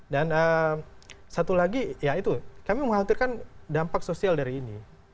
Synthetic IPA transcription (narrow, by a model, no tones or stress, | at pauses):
danəm | sat̪ulaɡijait̪ukamiməŋɦant̪ɪrkandampaksosialdaɾiːni